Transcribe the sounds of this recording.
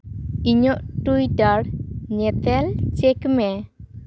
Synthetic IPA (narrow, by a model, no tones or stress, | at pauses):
iɲɔʔtujdaɽɲɛt̪ɛlt͡ʃɛkmɛ